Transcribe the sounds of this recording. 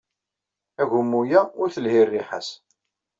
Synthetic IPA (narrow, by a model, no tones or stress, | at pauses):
æʝʊmːujæʊɾθəlhirːiħə̰s